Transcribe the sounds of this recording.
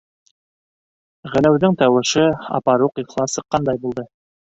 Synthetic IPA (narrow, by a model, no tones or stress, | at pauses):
ʁɘ̆læwðɘŋt̪æwɘ̆ʃɘɑ̰pɑɾuqiχlˠɑsɤ̆qːɑnd̪ɑjbulˠd̪ɤ